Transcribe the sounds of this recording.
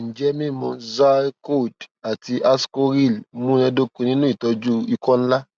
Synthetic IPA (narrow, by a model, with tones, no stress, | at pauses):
n̩˨d͡ʒɛ˦mĩ˦˨mɔ̃˧za˦ko˦˨da˨ti˧ʔa˧sko˦ɾi˦˨lmũ˦nɛ̃˧˦do˦kũ˧nĩ˦nũ˦i˦˨tɔ˧d͡ʒu˦i˧kɔ̃˦n̩˦la˦